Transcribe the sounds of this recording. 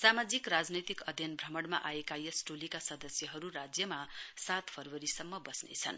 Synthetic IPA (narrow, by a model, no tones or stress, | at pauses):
samad͡zikrad͡znʌjt̪ikʌd̪ʱjʌnbʱrʌmʌɽma̰ʔaekajʌsʈolikasʌd̪ʌsjʌɦʌɾuɾad͡zjʌmasat̪pʰʌrwʌɾisʌmːʌbʌsnḛt͡sʰʌ̰n